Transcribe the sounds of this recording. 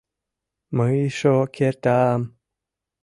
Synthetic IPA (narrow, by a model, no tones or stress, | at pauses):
məiʃokʰeɾt̪am